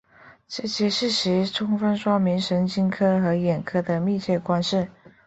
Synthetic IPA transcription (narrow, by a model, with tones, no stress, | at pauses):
ʈ͡ʂɤ˥˩ɕjɛ˥ʂɻ̩˥˩ɕɻ̩i˧˥ʈ͡ʂʰʊ˥ŋfə˥nʂwɑ˥mi˧˥nʂə˧˥ŋt͡ɕʰi˥ŋkʰɤ˥xɤ˧˥jɛ˨˩nkʰɤ˥d̪ə˨mi˥˧t͡ɕʰjɛ˥˩kwa˥nʂɻ̩˥˩